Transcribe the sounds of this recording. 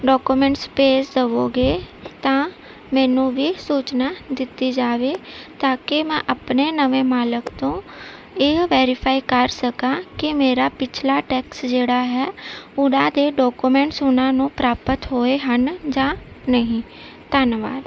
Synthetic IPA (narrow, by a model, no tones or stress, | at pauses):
ɖɔːkuːmɛ̃ːɳʈspeːsd̪əʋoːɡeː | t̪ãː | mɛ̃ːnũːʋiːsuːt͡ʃnaːd̪ɪt̪iːd͡ʒaːʋeːt̪aːkemɛ̃ːʔəpneːnəʋẽːmaːləkt̪õː | eːʋɛːɾɪpʰaːikəɾsəkãːkɪmeːɾaːpɪt͡ʃʰlaːʈɛːksd͡ʒeːɽaːɦɛːʊɽãːd̪eːɖɔːkumɛ̃ːɳʈsʊnãːnũːpɾaːpət̪ɦoːeːɦənd͡ʒãː | nəɦĩː | t̪ənʋa̰ːd̪